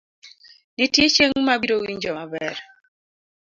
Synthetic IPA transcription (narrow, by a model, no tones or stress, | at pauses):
nitjet͡ʃeŋmabiɾowiɲd͡ʒɔmabɛɾ